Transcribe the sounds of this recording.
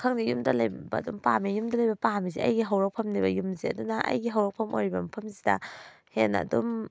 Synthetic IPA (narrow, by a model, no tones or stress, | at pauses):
kʰɐŋdijumdɐlɐjbɐ̰dumpamijumdɐlɐjbɐpamiziɐ̰jɡiɦɐwɾɐk̚pʰɐmnibɐjumziɐ̰dunɐʔɐ̰jɡiɦɐwɾɐk̚pʰɐmojɾibɐmɐpʰɐmzidɐ̰henɐ̰dum